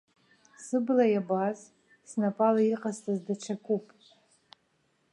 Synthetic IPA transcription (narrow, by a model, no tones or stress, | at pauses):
sɨblajabaz | snapʼalaiqʼastʼazdaʈ͡ʂʰakʷʼupʼ